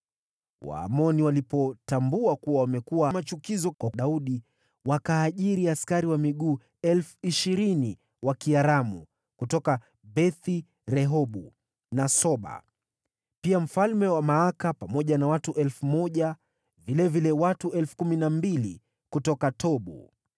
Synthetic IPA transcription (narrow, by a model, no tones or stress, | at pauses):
wa̰ːmɔniwalipɔtambuakuwawamɛkuwamat͡ʃukizɔkwaɗauɗi | wakaːʄiɾiaskaɾiwamiɠuː | ɛlfuiʃiɾini | wakiaɾamṵ | kutɔka | bɛθi | ɾɛɦɔɓu | nasɔɓa̰ | piam̩falmɛwamaakapamɔʄanawatuʔɛlfumɔʄa | vilɛvilɛwatuɛlfu̥kuminambili | kutɔkatʰɔɓṵ